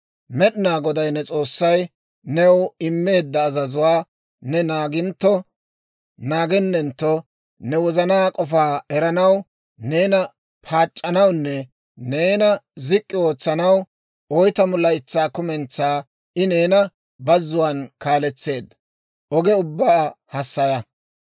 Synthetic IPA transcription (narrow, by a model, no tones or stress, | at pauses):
mɛɗɪnaːɡɔd̪ɐjnɛt͡sʼo̞ːsːɐj | nɛwɪmːe̞ːd̪ːɐːzɐzʊwaː | nɛnaːɡɪnt̪ːɔ | naːɡɛnːɛnt̪ːɔ | nɛwɔzɐnaːkʼɔfaːɛɾɐnɐw | neːnɐ | pʰaːt͡ʃʼːɐnɐwnːɛ | neːnɐzɪkʼːɪo̞ːt͡sːɐnɐw | ɔjt̪ɐmɔlːɐɪt͡sːaːkʊmɛnt͡sːaː | ɪne̞ːnɐ | bɐzːʊwankaːlɛt͡sːe̞ːd̪ːɐ | ʔɔɡɛʊbːaːhɐsːɐjɐ